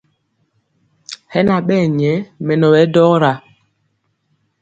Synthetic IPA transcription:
hɛ˦na˨ɓɛː˦˨ɲɛ˨˦mɛ˨nɔ˨wɛ˨˦dɔ˦ɾa˨

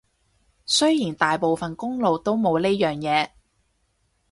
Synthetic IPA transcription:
sɵ˥jiː˨˩nt̪aː˨jpo˨wfɐ˨nkʊ˥ŋlo˨wt̪o˥wmo˨˧wleː˥jœː˨ŋjɛː˨˧

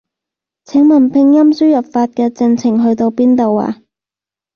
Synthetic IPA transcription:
t͡sʰɪ˨˥ŋmɐ˨˩npʰɪ˧ŋjɐ˥msyː˥jɐ˨p̚faː˧t̚kɛː˧t͡sɪ˧ŋt͡sʰɪ˨˩ŋɦɵ˧ɥt̪o˧wpiː˥nt̪o˨wa̰ː˧

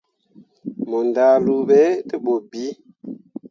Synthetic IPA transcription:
mo˨nda˨lu˨ɓe˦te˦ɓo˨bi˨˦

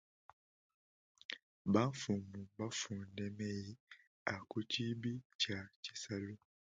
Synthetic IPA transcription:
ba˦fu˨mu˨ba˦fuː˨nde˦me˦ji˦ | a˨ku˦ci˦bi˦ca˨ci̥˨sa˦lu˦

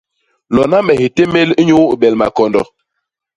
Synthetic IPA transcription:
lɔ˨na˦mɛ˨hi˨te˦me˦li˦ɲo˦wɓɛ˨lma̰˨kɔ˨ndɔ̰˨

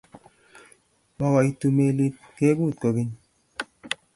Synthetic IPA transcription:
mɔ˦kɔ˨i˨tu˨me˨li˦t̚ke˦kuː˦˨t̚ko˨ki˦ɲ

